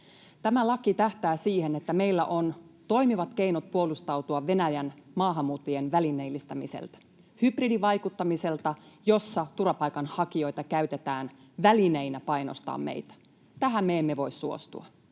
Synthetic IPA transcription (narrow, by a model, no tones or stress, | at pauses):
t̪æmælɑkit̪æht̪æːsiːhe̞net̪ːæme̞ilːæʔo̞nt̪o̞jmiʋɑt̪k̟e̞jnot̪̚puo̞lust̪ɑwt̪uɑʋe̞næjænmɑːɦɑmːuːt̪ːienʋæline̞ilːist̪æmisḛlt̪æ̥ | hypridiʋɑjkut̪ːɑmise̞lt̪ɑjo̞sːɑt̪uɾɑpɑjkɑnhɑkio̞jt̪ɑkæyt̪e̞t̪æːn | ʋæline̞inæpɑjnost̪ɑ̰ːmmḛjt̪æ̥ | t̪æɦæmːeemːe̞ʋo̞isːuo̞̰st̪ṵɑ